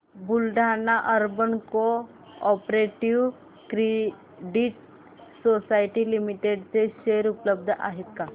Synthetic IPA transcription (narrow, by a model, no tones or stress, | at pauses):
bulɖʱanaʔəɾbənko | ɔpɾeʈiʋ | kɾe | ɖiʈ | sosajʈilimiʈeɖt͡seɕeɾupləb̚d̪ʱəʔa̰ɦet̪̚ka